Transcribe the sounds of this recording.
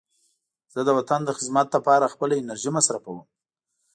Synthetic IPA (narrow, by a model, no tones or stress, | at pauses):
z̥əd̪əwat̪and̪əxɪzmat̪̚ləpɑɾaxpəlaɪnaɾʒimasɾafawəm